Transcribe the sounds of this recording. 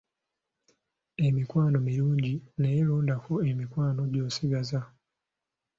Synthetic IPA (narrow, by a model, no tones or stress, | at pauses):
e̞mikwaːno̞miɾuːɲɟinejeɾuːndakoemikwaːno̞ɟoːsiɡaza